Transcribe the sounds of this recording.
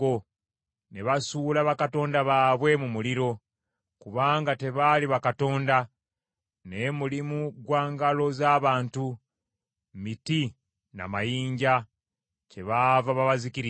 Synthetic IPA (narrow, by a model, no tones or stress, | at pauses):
o | ne̞βasuːlaβakato̞ːndaβaːβwe̞mumuliɾo̞ | kuβaːŋɡate̞βaliβakato̞ːnda | nemulimuɡwaːŋɡalo̞zaːβaːntu | miti | na̰majiːɲɟa | ce̞βavaβaβazikiɾi